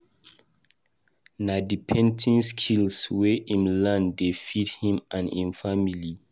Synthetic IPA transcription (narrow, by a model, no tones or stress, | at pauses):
nadipʰɛ̃ntʰĩnskʰilsweʔĩmlãndefit̚hĩmãnĩnfamili